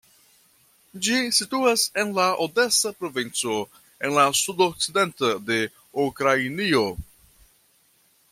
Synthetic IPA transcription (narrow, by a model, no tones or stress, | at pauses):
d͡ʒisituase̞nlaʔode̞sapɾo̞vint͡so̞ | e̞nlasudok̚t͡side̞ntode̞ | ukɾainio̞